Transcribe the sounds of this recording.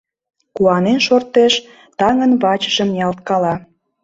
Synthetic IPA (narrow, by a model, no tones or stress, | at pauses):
kuɑnenʃort̪eʃ | t̪ɑŋənβɑt͡ɕə̥ʒəmjɑlt̪̚kɑlɑ